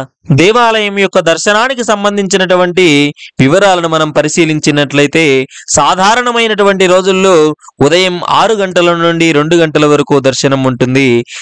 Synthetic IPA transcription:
d̪ɛːʋaːlɐjɐmjɔkːɐd̪ɐɾʃɐnaːnikisɐmbɐnd̪ʱiɲt͡ʃinɐʈuʋɐɳʈiʋiʋɐɾaːlɐnumɐnɐmpɐɾiʃiːliɲt͡ʃinːɐʈlɐjt̪e̞ːsaːd̪ʱaːɾɐɳɐmɐjnɐʈuʋɐɳʈiɾo̞ːd͡ʒulːoːud̪ɐjɐma̰ːɾuɡɐɳʈɐlɐnːuɳɖiɾe̞ɳɖuɡɐɳʈɐlɐʋɐɾɐkuːd̪ɐɾʃɐnɐmuɳʈund̪i

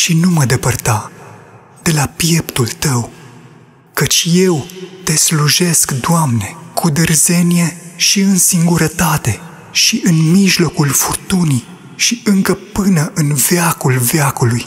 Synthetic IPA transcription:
ʃinuməd̪e̞pərt̪a | d̪̥e̞lapje̞pt̪ult̪əw | kət͡ʃʲje̞wt̪e̞sluʒe̞skd̪oamne̞kʰud̪ɨrze̞nije̞ʃiɨnsiŋɡuɾət̪at̪e̞ | ʃiʔɨnmiʒlo̞kulfurt̪uni | ʃiɨŋkəpɨnəʔɨnv̥eakulveakuluj

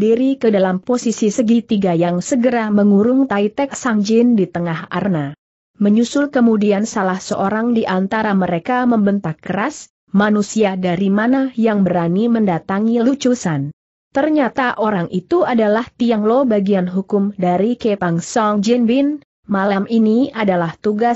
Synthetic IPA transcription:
diɾikədalamposisisəɡit̪iɡajaŋsəɡəɾaməŋuɾʊŋt̪ait̪ɛksaŋd͡ʒɪndit̪əŋaɦa̰rna | məɲusʊlkəmudiansalahsəʔoɾaŋdiʔant̪aɾaməɾekaməmbənt̪akːəɾas | manusiadaɾimanajaŋbəɾaniməndat̪aŋilut͡ʃusan | t̪ərɲat̪aʔoɾaŋʔit̪uadalaht̪iaŋlobaɡianɦukʊmdaɾikepaŋsɔŋd͡ʒinbɪn | malaminiadalaht̪uɡa

